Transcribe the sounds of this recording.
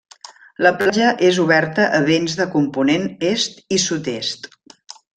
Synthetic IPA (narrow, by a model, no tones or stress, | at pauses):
ləplaʒəʔezuβɛɾt̪əʔəβenzðəkumpunenest̪isut̪est̪